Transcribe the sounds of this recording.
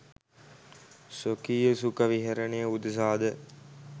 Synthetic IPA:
sokiːəsukəʋiɦeɾənejəud̪əs̬aːd̪ə

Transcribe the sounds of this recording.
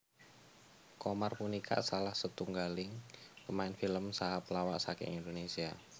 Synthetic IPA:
komarpunikʰa̰ʔsalahsət̪uŋɡalɪŋpəmaɪnfiləmsaɦaplawa̰ʔsakɛ̰ŋind̪onesia

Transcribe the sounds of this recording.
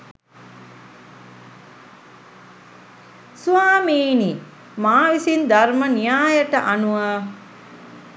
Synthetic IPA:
suaːmeːni | maːʋisind̪armənijaːjəʈəʔanuʋə

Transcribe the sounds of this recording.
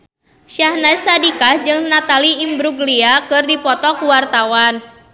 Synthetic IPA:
ʃahnasadikahd͡ʒɨŋnat̪aliːmbɾuɡliakɨrdipɔt̪ɔkuwart̪awan

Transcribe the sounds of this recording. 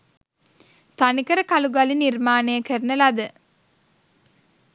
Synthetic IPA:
t̪anikəɾəkaluɡalinirmaːnəjəkəɾnəlad̪ə

